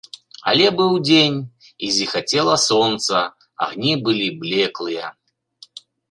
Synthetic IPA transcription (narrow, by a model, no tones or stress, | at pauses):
a̰lʲɛbɨwd͡zʲenʲ | izʲixat͡sʲɛlˠɐsɔnt̪sɐ | a̰ɣnʲibɨlʲiblʲɛklˠɨjɐ